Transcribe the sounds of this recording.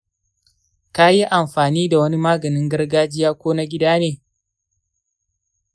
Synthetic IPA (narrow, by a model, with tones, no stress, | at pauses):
ka˦ji˦ʔa˨mɸaː˨niː˦da˨wɐ˦ni˦maː˦ɡɐ˨nɪ˦ŋɡɐ˦rɡaː˦d͡ʒɪ˦jaː˦kʷoː˦na˦ɡʲɪ˦daː˦neː˨